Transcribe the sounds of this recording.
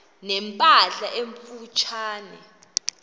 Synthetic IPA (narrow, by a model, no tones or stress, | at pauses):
nɛmpʼaɬaʔeɱfut͡ʃʰaːnɛ̰